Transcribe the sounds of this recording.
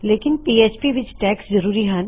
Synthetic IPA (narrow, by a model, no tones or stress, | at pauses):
leːkɪnpiːeːt͡ʃpiʋɪt͡ʃʈɛːkszɐɾuːɾiɦɛ̃n